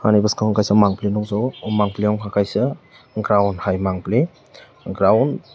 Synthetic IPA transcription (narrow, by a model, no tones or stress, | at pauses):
hanibaskahɔŋkʰajsamaŋplinɔŋzawmaŋpliaŋkʰakʰajsɯ | ɡɾawnhajmaŋpli | ɡɾawn